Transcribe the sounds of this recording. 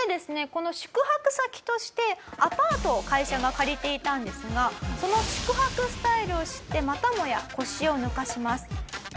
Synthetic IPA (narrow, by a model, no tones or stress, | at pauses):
ed̪e̞sɨne̞ko̞no̞ɕɨ̥kɯ̟hakɯ̟sakʲi̥t̪o̞ɕi̥t̪e̞apaːt̪o̞kaiɕaɡakaɾʲit̪e̞it̪ãnd̪e̞sɨɡaso̞no̞ɕɨ̥kɯ̟ɦakɯ̟sɨ̥t̪aiɾɯ̟o̞ɕi̥t̪ːe̞mat̪amo̞ja̰ko̞ɕio̞nɯ̟kaɕimasɨ̥